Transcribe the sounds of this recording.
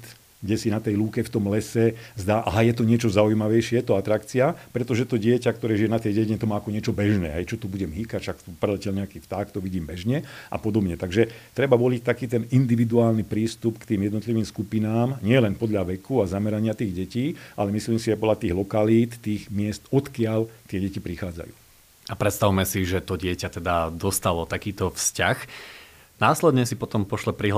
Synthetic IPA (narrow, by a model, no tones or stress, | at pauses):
t̪ | ɡɟɛsinat̪ɛjluːkɛft̪ɔmlɛsɛzd̪aːʔaɦajɛt̪̬ɔɲɪɛt͡ʃɔzaujmaʋɛjʃɪɛjɛt̪ɔat̪ɾakt͡siapɾɛt̪ɔʒɛt̪ɔɟɪɛcakt̪ɔɾɛːʒijɛnat̪ɛjɟɛciɲɛt̪ɔmaːakɔɲɪɛt͡ʃɔbɛʒnɛ̰ːɦɛjt͡ʃɔt̪ubuɟɛmɦikacʃakt̪upɾɛlɛcɛlɲɛakiːft̪aːkt̪ɔʋiɟiːmbɛʒɲɛʔa̰pɔd̪ɔbɲɛt̪aɡʒɛt̪ɾɛbaʋɔlict̪akiːt̪ɛnind̪iʋid̪uaːlnipɾiːst̪upkt̪iːmjɛd̪nɔt̪liʋiːmskupinaːmɲɪɛlɛnpɔd̪ʎaʋɛkʰuazamɛɾaɲɪat̪iːɣɟɛciːʔalɛmisliːmsiʒɛpɔd̪ʎat̪iːɣlɔkaliːt̪t̪iːɣmɪɛst̪ɔt̪kɪaʎt̪ɪɛɟɛcipɾixaːd͡za̰jṵː | apɾɛt̪st̪aʋumɛsiʒɛt̪ɔɟɪɛcat̪ɛd̪ad̪ɔst̪alɔt̪akiːt̪ɔfscax | naːslɛd̪ɲɛsipɔt̪ɔmpɔʃlɛpɾiɦ